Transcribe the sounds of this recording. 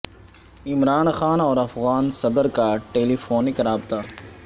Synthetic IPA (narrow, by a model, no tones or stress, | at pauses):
ɪmɾaːnxaːnɔːɾɐfɣaːnsɐd̪əɾkaʈeːlifoːnɪkɾaːbt̪aː